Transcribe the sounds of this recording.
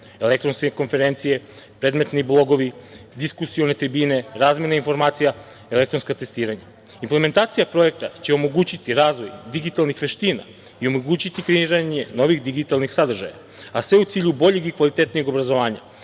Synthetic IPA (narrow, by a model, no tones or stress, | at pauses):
elek̚t̪ɾo̞nskeko̞nfe̞ɾent̪sije̞pɾed̪me̞t̪niblˠo̞ɡo̞ʋid̪iskusione̞t̪ɾibiːne̞ɾaːzmjenainfo̞ɾmaːt̪sija | e̞le̞k̚t̪ɾo̞nskat̪e̞st̪iːɾaɲa | imple̞me̞nt̪aːt̪sijapɾo̞e̞k̚t̪at͡ɕe̞o̞mo̞ɡuːt͡ɕit̪iɾaːzʋo̞jd̪iɡit̪alˠnixʋe̞ʃt̪iːna̰ | io̞mo̞ɡuːt͡ɕit̪ipɾinɾaɲe̞no̞ʋixd̪iɡit̪alˠnixsad̪r̩ʒa̰ja̰ | asʋe̞ut̪siːʎubo̞ʎeɡikʋalit̪et̪nijeɡo̞bɾazoʋaːɲa̰